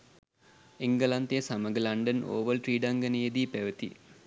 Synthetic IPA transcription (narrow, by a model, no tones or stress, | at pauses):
iŋɡəlant̪ejəsaməɡəlaɳɖəno̰ːʋəlʈriːɖaŋɡənəjed̪iːpæʋət̪ḭ